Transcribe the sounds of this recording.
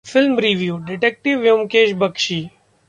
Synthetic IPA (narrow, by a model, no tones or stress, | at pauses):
fɪlmɾiːʋjuːɖɪʈɛːk̚ʈɪʋjumkeːʃbəkʃiː